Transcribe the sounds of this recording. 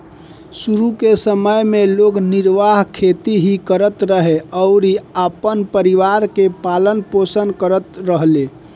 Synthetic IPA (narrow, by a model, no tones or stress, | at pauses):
suɾukesəməjmeloɡniɾʋaɦkʰet̪iɦikəɾət̪ɾəɦeɔʊɾiapənpəɾiʋaɾkepalənposənkəɾət̪ɾəɦle